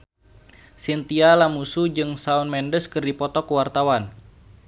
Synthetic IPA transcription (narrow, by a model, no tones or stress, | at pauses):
sint̪ialamusud͡ʒɨŋsaunmɛndəskɨrdipɔt̪ɔkuwart̪awan